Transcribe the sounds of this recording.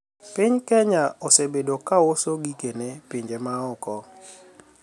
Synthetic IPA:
pɪɲkɛɲaɔsebedokawosoɡikenepiɲd͡ʒemaɔkɔ

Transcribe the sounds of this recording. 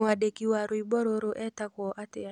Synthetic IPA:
aɗekiwaɾoibɔɾoɾoʔɛtakwɔʔatɛa

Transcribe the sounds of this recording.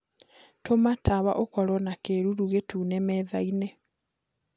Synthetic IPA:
tʰomataβa̰ʔokɔlɔnakeɾuɾuɣetuːnemɛːðaine

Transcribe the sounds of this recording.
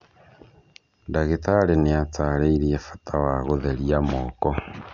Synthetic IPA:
daɣetaleneat͡saːɾeiɾiefḁtawaɣoðeɾjamoːkɔ

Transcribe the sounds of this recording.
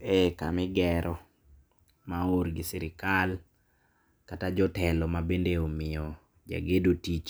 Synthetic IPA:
ekamɪɡɛɾʔɔ | maoɾɡɪsɪɾɪkal | katad͡ʒɔtɛlɔmabendeomɪjɔ | d͡ʒa̰ɡedotit͡ʃ

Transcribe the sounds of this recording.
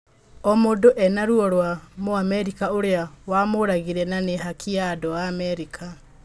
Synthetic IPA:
ɔmodoʔɛnaɾwɔɾwamoamɛɾikaoɾeawamoɾaɣiɾɛnaneɦakʰiadɔwaːmɛɾikʰa

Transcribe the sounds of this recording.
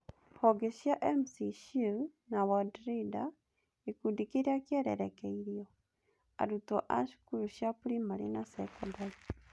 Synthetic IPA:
hɔɡeʃjaʔemsiʃunawadɾida | ekudikeɾiakjɛɾɛ̰ɾɛkɛiɾio | a̰ɾuto̰ʔaʃu̥kuɾuʃjapuɾimaɾinasɛkɔdai

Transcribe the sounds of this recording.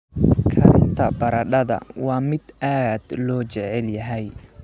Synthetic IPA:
kʰɐɾɪnt̪ʰɐbɐɾɐɖɐðɐ̰wɑːmɪd̪aːd̪lɔːt͡ʃɛʕɛljɐɦɛj

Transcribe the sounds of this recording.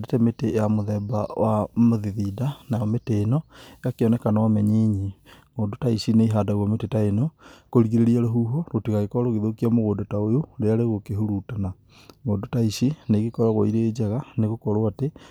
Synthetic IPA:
detɛmetejamoðɛbawʔamoðiðidanajɔmeteːnɔjakeɔnɛkanawamɛɲeɲiŋoːdotaiʃineiɦadaɣɔmetetaenɔkoɾiɣiɾeɾiaɾoɦuɦɔɾotiɣaɣekɔɾoɣeðokiamoɣoːndotaojoɾeaɾeɣokeɦuɾutana | ŋɡoːndotaiʃineɣekɔɾaɣo̰iɾed͡ʒaɣaneɣokɔɾoate

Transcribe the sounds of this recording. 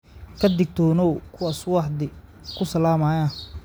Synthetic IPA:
kʰɐd̪ɪɡ̚t̪ʰɔːnɔwkʰʊwaːswɑħd̪ɪ | kʰʊsɐlaːmaːjaː

